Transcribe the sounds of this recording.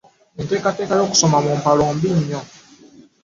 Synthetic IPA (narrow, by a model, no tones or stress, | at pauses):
ente̞ːkate̞ːkajo̞ːku̥so̞mamumpaloːmbiɲːo